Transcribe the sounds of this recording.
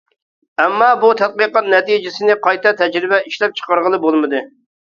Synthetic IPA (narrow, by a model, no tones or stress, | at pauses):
ɛmːɑbut̪ʰɛt̪̚qiqɑt̪̚nɛt̪ijd͡ʒɪsɪnɪqɑjt̪ɛt̪ʰɛd͡ʒɾɪbɛʔiʃlɛp̚t͡ʃʰə̥qɑɾʁəlˠɨbolˠmɨd̪ɨ